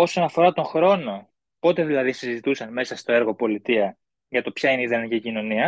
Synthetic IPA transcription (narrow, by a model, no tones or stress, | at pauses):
o̞so̞nɐfo̞ɾɐt̪o̞ŋxɾo̞no̞ | po̞t̪e̞ðilɐðisizit̪usɐnme̞sɐst̪o̞e̞ɾɣo̞po̞lit̪iɐ | ʝɐt̪o̞pçɐineiðenicicino̞niɐ